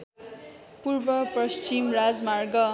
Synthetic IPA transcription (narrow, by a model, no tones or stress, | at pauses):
purbʌprʌst͡ʃimrad͡zmarɡʌ